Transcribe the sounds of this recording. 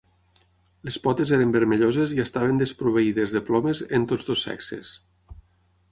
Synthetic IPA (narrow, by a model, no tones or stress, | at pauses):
lespɔt̪ezeɾembəɾmeʎozeziəst̪aβend̪espɾuβ̞eiðezðeplɔmezent̪od͡zðosːɛ̰ksḛs